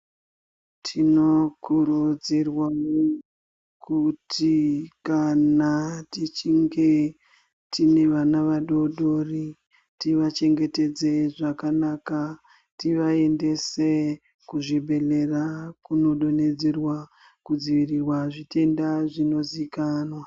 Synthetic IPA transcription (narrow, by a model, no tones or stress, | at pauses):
tʰino̞kuɾud͡zirwao | kʰutʰikanatit͡ʃiŋɡe̞ | tʰine̞ʋanaʋaɗo̞ɗori | tiʋat͡ʃe̞ŋɡe̞te̞d͡zeʐakanaka | tiʋae̞nde̞se | kuʐibʱe̞le̞rakuno̞ɗo̞ne̞d͡zerwa | kud͡ziʋirirwaʐite̞ndaʐino̞zikanwa